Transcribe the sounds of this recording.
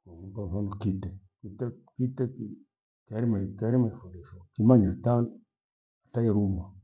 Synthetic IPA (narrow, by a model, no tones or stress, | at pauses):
komuafanukitekitakiteki | kaɾimakaɾimafudesokimaɲatan | aɬajaɾuma